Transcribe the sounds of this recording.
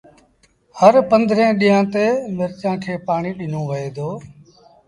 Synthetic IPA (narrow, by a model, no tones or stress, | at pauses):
həɾpə̃nd̪ʱɾẽːɗiːãːt̪eːmɪɾt͡ʃãːkʰeːpaːɳiːɗɪnõːʋəeːd̪oː